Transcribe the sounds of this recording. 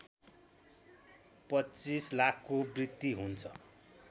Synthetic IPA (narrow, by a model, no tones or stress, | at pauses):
pʌt͡sislakʰːkobrit̪ːiɦunt͡sʰʌ